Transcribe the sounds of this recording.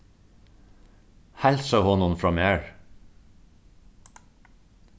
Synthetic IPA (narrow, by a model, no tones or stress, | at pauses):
hælsɑhɔːnʊnfɹɑmeːɹ